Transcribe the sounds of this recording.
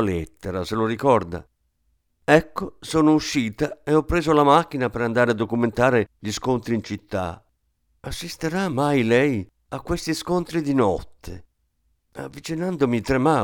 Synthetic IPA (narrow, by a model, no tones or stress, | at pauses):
lɛt̪ːeɾaseloɾikɔrd̪a̰ | ɛkːosoːnouʃːiːt̪aeɔpːɾeːzolamak̟ːinapeɾand̪aːɾead̪ːokument̪aːɾeʎiskont̪ɾiːnt͡ʃit̪ːa̰ | asːist̪eɾamːajlɛj | akːwest̪iskont̪ɾid̪inɔt̪ʰːe | a̰vːit͡ʃinand̪omit̪ɾema